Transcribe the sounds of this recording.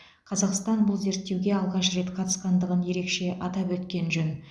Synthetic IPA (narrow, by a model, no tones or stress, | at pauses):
qʰɑzɑqst̪ɑnbʊlˠze̞ɾt̪ːewɡʲe̞ɑlˠʁɑʃre̞t̪qʰɑt̪ə̥sqɑnd̪əʁənje̞ɾe̞kʃe̞ʔɑt̪ɑpwɵt̪kʲe̞nʒɵn